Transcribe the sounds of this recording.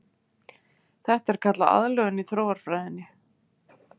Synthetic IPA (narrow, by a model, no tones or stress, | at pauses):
θɛht̪ɛɾ̥kʰat̪laʔa̰ðlœɣʏnːitθʰɾoːwvaɾ̥fɾajðɪnːɪ